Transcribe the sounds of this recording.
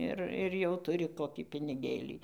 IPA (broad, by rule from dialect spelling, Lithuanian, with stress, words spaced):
ˈɪr ɪr jɛʊ tʊˈrʲɪ ˈkoːˈkʲiː pʲɪnʲɪˈɡʲeːlʲiː